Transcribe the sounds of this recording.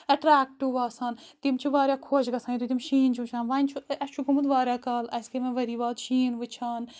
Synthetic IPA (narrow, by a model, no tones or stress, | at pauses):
ɐʈɾaːk̚ʈːuʋaːsaːnt̪imt͡ʃʰiʋaːɾʲjaːkʰoːʃɡɐsãːiɾut̪imʃiːnt͡ʃʰut͡ʃʰaːnʋaːnʲt͡ʃʰuɐst͡ʃʰukɐmud̪ʋaːɾʲjaːkaːlɐskemẽʋɐɾiːʋaːd̪ʃiːnʋɨt͡ʃʰaːn